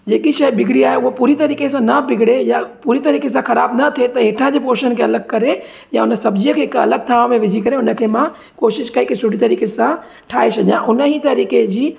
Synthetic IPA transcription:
d͡ʑeːkiʃɐjbɪɡʱɽiaːɦeʊɦopuːɾit̪ɐɾiːkesãnɐbɪɡʱɽejapuːɾit̪ɐɾiːkes̬ãxɐɾaːbnɐt̪ʰet̪ɐɦeːʈʰãd͡ʑeːpoːɾʃənkʰeɐləɡ̚kɐɾe | jaʊnə̆sɐbd͡ʑiːəkʰeːɦɪkɐ̰ləɡ̚t̪ʰaːʋmẽʋɪd͡ʑʱikɐɾeʊnə̆kʰeːmã | koːʃɪʃkɐekesʊɽit̪ɐɾiːkesã | ʈʰaːɦesʰɐʄjãʔʊnəɦit̪ɐɾiːked͡ʑiː

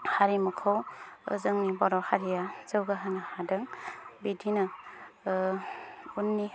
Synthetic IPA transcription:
haɾimukʰɯwɯ̰zɯŋnibɔɾɔhaɾijaz̥ɯwɡaɦanahadɯŋbidinɐ | unːi

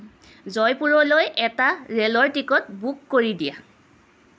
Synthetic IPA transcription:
zɔjpuɹɔlojʔɛtaɹelɔɹtikɔt̚bukːoɹidija̰

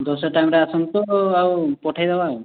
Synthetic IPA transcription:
d̪ɔsɔʈajmɾaasɔŋt̪uawpɔʈʰajdabaːw

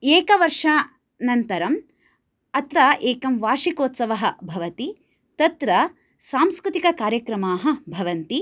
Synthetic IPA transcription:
eːkɐʋɐɾʂaː | nɐnt̪ɐɾɐm | ɐt̪ɾɐʔeːkɐmʋaːʃikoːt̪sɐʋɐɦɐ̆bʱɐʋɐt̪i | t̪ɐt̪ɾɐ | saːmskɾut̪ikɐkaːɾjɐkɾɐmaːɦɐ̆bʱɐʋɐnt̪i

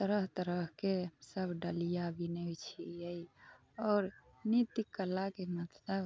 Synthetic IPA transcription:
t̪əɾəɦt̪əɾəɦkesəbʱɖəlijabinət͡ʃʰiəj | ɔːɾ | nit̪ikːəlːakemət̪ləb

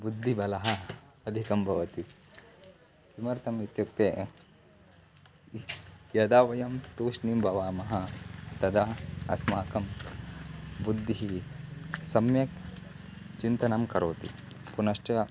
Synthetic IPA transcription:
bud̪ʱːibɐlɐɦɐ | ɐd̪ʱikɐmbʱɐʋɐt̪i | kimɐɾt̪ɐmit̪juk̚t̪eː | jɐd̪aːʋɐjɐmt̪uːʃnimbʱɐʋaːmɐɦɐt̪ɐd̪ɐɐɐ̰smaːkɐm | bud̪ʱːiɦi | sɐmjɐk | t͡ʃint̪ɐnɐmkɐɾoːt̪i | punɐʂʈɐ

